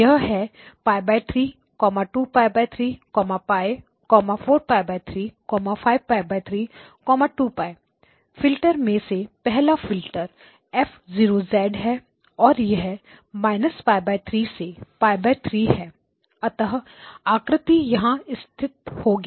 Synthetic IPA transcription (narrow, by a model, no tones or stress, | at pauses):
jɐɦɦɛpaːjbaːɪt̪ʰɾiː | kɔːmaʈuːpaːɪbaːɪt̪ʰɾiːkɔːmapaːe | kɔːmafʰoːɾpaːɪbaːɪt̪ʰɾiːkɔːmapʰaːɪʋ̚paːɪbaːɪt̪ʰɾiː | kɔːmaʈuːpaːɪ | fʰɪlʈəɾmẽsepɛɦlafʰɪlʈəɾ | ɛːfʰziːɾozɛːɖɦɛ | ɔːɾjɐɦɛ | maːɪnəspaːɪbaːɪt̪ʰɾiːsepaːɪbaːt̪ʰɾiːɦɛː | ɐt̪əɦaːkɾɪt̪ijɐɦãɪst̪ʰɪt̪hoːɡ